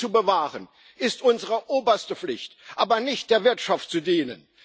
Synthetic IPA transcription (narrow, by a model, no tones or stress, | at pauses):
t͡subəvaːʁən | ʔɪstʔʊnzəʁəʔoːbɐstəflɪçtʔaːbɐnɪçt̚d̥eːɐvɪɐtʃaftt͡sudiːnə̰n